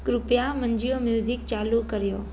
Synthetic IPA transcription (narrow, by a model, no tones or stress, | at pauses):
kɾʊpijamɐ̃ɲd͡ʑijomjuːzɪk̚t͡ɕaːlukɐɾijoː